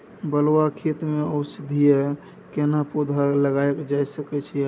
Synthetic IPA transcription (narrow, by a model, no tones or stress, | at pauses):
bəlwakʰit̪meəwsid̪ʱijɛ | kenapud̪ʱaləɡaekd͡ʒajsəkɛt͡ʃʰijɛ